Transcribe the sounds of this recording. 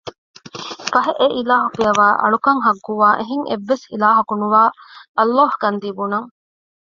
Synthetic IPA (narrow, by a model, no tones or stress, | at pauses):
fɐɦeʔeʔilaːɦɐkijɐʋaːʔɐ̰ɭukɐŋɦɐɡːuʋaːʔeɦiŋʔḛʋːesḭlaːɦɐkunuʋaːʔɐlːaːhkɐnd̪ibunɐŋ